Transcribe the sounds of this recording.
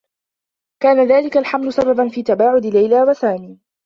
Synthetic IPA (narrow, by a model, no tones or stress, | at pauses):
kaːnaðaːlɪkalħamlʊsababanfiːt̪abaːʕʊd̪ɪlajlaːwasaːmiː